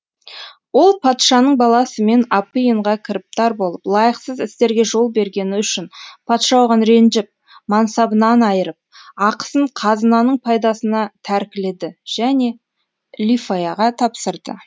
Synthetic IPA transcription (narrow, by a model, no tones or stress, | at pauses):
wo̞lˠpʰɑt̪ʃɑnəɴbɑlˠɑsəme̞nɑpːijəɴʁɑkʲʰɪɾɪp̚t̪ɑɾbo̞lˠəplˠɑjəqsəzɪst̪e̞ɾɡʲeʒo̞lˠbe̞ɾɡʲe̞nɪʏʃɪnpʰɑt̪ʃɑwʁɑnɾe̞nʒɪp̚ | mɑnsɑbənɑnɑjəɾəp̚ɑqə̥səɴqʰɑzənɑnəɴpʰɑjd̪ɑsənɑt̪ʰæɾkʲɪle̞d̪ɪʒ̥æne̞ | lʲifajɑʁɑt̪ʰɑpsəɾd̪ə̰